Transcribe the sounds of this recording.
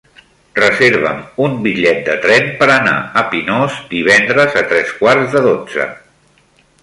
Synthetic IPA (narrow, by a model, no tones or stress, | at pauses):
rəzeɾβə̰mumbiʎɛt̪̚d̪ət̪ɾɛmpəɾəna̰əpinɔzd̪iβ̞ɛnd̪ɾəzət̪ɾɛskwarzðəðod͡zə̰